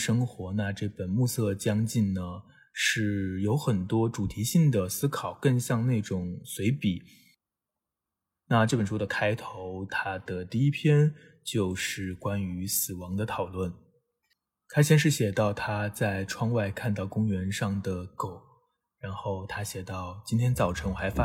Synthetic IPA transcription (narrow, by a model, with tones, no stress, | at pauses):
ʂɤ˥ŋxwɔ˧˥na˥˧ʈ͡ʂɤ˥˩pə˨˩nmu˥˧sɤ˥˧t͡ɕjɑ˥ŋt͡ɕi˥˩nnə˩ | ʂɻ̩˥˩jo˧˥ʊxə˨˩nt̪wɔ˥ʈ͡ʂu˨˩t̪ʰi˧˥ɕi˥˩ŋd̪ə˩sɹ̩˥kʰɑ˨˩ʊkə˥˧nɕjɑ˥˧ŋne˥˩ɪʈ͡ʂʊ˨˩ŋswe˧˥ɪpi˨˩˦ | na˥˧ʈ͡ʂɤ˥˩pə˨˩n˩ʈ͡ʂʰu˥d̪ə˨kʰa˥ɪt̪ʰo˧˥ʊt̪ʰa˥d̪̥ə˨t̪i˥˩i˥pʰjɛ˥n | t͡ɕjo˥˧ʊʂɻ̩˥˩kwa˥ny˧˥sɹ̩˨˩wɑ˧˥ŋd̪ə˧t̪ʰɑ˨˩ʊlwə˥˩n | t̪ʰa˥ɕjɛ˥˧nʂ̬ɻ̩˥˩ɕjɛ˨˩t̪ɑ˥˩ʊt̪ʰa˥t͡sa˥˩ɪʈ͡ʂʰwɑ˥ŋwa˥˧ɪkʰa˥˧nt̪ɑ˥˩ʊkʊ˥ŋɥɛ˧˥nʂɑ˥˩ŋd̪ə˩ko˨˩˦ʊ | ɻa˧˥nxo˥˩ʊt̪ʰa˥ɕjɛ˨˩t̪ɑ˥˩ʊt͡ɕi˥nt̪ʰjɛ˥nt͡sɑ˨˩ʊʈ͡ʂʰɤ˧˥ŋxa˧˥ɪfa˥